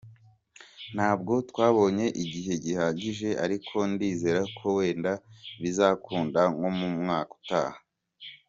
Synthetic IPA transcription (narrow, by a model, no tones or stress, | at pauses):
n̥haːbɡo̞tkwaːβo̞ɲe̞ʔiɟiɦe̞ɟihaːɟiʒe̞ʔaɾikʰo̞ndiːze̞ːɾakʰo̞we̞ːndaβizaːkuːndaŋɡo̞mumŋaːku̥ta̰ːha